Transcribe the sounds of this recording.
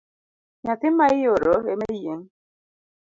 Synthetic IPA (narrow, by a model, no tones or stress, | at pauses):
ɲat̪ɪmaioɾoemeijeŋ